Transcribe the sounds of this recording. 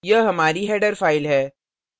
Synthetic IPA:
jɐɦɐmaːɾiɦɛːɖəɾfaːɪlɦɛː

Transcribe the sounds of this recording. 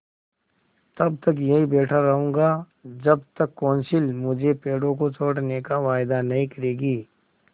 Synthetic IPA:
t̪ɐb̚t̪ɐk̬jɐɦibɛːʈʰaɾɐɦũːɡa | d͡ʒɐbt̪ɐkːɔ̃ːnsɪlmʊd͡ʒʱepeːɽõkot͡ʃoːɽnekaʋaːjd̪anɐɦĩkɐɾeːɡiː

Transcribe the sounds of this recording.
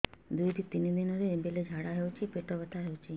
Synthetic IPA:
d̪ujt̪ʰit̪inid̪inəd̪eebeled͡ʒʱaɽaɦeut͡ʃʰipeʈoʋət̪ʰaɦeut͡ʃʰi

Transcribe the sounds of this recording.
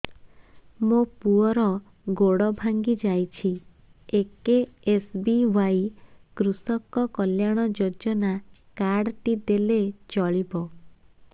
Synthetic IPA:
mopuɔɾɔ | ɡoɽɔbʱaŋɡid͡ʒajt͡ʃʰi | ekeesbiwajkɾusɔkɔkɔljaɽ̃ɔd͡ʒod͡ʒɔnakaɽʈid̪elet͡ʃɔɭibɔ

